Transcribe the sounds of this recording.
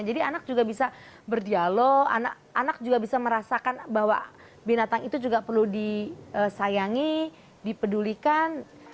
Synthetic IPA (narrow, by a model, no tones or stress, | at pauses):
d͡ʒadianak̚d͡ʒuɡabisa | bərdialoa̰na̰kanak̚d͡ʒuɡabisaməɾasakanbaɦwa̰ | binat̪aŋit̪ud͡ʒuɡapərludiəsajaŋi | dipədulikan